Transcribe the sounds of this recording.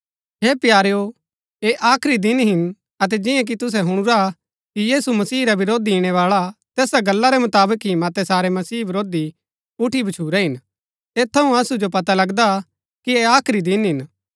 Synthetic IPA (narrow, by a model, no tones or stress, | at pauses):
ɦeːpjaːɾejo | eʔaːkʰɾid̪ɪnɦɪn | ɐt̪̬ɛd͡ʒɪ̃jãk̬it̪ʊs̬ɛɦʊɽ̃ʊɾa | kijiːsumɐsiːɾabɪɾoːd̪iiɽ̃ɛʋaːɭat̪ɛːsaɡɐlːaɾɛmʊt̪aːbəkɦĩmɐt̪ɛsaːɾɛmɐsiːbɪɾoːd̪i | ʊʈʰibʱɐt͡ʃʰuːɾɛɦɪn | eːt̪ʰːɐɦũɐsud͡ʒop̬ɐt̪alɐɡd̪a | kieaːkʰɾid̪ɪnɦɪn